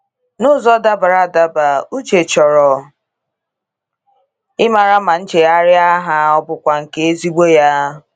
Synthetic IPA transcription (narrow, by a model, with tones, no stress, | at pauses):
nʊ˦˨zɔ˦da˦ba˨ɾa˨da˨ba˨u˦d͡ʒe˨t͡ʃɔ˨ɾɔ˨ | ɪ˦ma˨ɾa˦ma˨n̩˦t͡ʃe˨a˦ɾɪ˦a˦ɦa˦ɔ˦bʊ˨kʷa˨ŋ̩˨ke˦e˦zi˦ɡ͡bo˦ja˦